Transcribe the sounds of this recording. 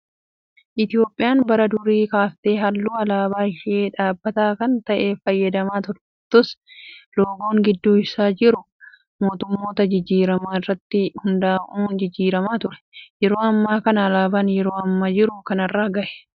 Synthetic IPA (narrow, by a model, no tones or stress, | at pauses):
ʔɪt̪ɪjo̞ːpʼːɪjaːnbɐɾɐd̪ʊɾiːkaːft̪eːɦɐlːuːɐlaːbaːɪʃʔeːᶑaːbːɐt̪aːkɐnt̪ɐʔeːfɐjːɐd̪ɐmaːt̪ʊɾɛ̥ | t̪ʊsloːɡoːŋɡɪd̪ːuːɪsaːd͡ʒɪɾʊ | mo̞ːt̪ʊmːo̞ːt̪ɐd͡ʒɪd͡ʒːiːɾɐmaːɪrːɐt̪ːɪhʊnd̪aːʔuːnd͡ʒɪd͡ʒːiːɾɐmaːt̪ʊɾɛ̥jɛɾo̞ːɐmːaːkɐnɐːlaːbaːnjɛɾo̞ːɐmːɐd͡ʒɪɾʊkɐnɐrːaːɡɐʔɛ̥